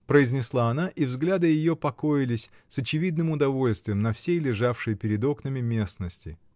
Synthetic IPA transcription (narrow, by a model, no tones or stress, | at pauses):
pɾəɪzʲnʲɪslˠaɐnaʔivzɡlʲad̪ɨjɪjo̞pɐko̞jɪlʲɪsʲsət͡ɕɪvʲid̪nɨmʊd̪ɐvo̞lʲst̪vʲɪjɪmnɐfsʲejlʲɪʐafʂɨjəpʲɪɾʲɪd̪o̞knəmʲɪmʲe̞snəsʲtʲɪ̰